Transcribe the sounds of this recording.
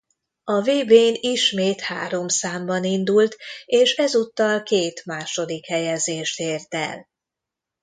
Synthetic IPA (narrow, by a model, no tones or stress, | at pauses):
ɒveːbeːniʃmeːt̪ha̰ːɾo̞msaːmbɒnind̪ult̪eːʃɛzut̪ːɒlkeːt̪maːʃo̞d̪ikhɛjɛzeːʃt̪eːrt̪ɛ̰l